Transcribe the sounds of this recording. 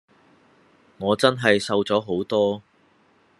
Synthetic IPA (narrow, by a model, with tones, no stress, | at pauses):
ŋɔː˨˧t͡sɐ˥nɦɐ˨jsɐ˧wt͡sɔː˨˥ɦo˨˥wt̪ɔː˥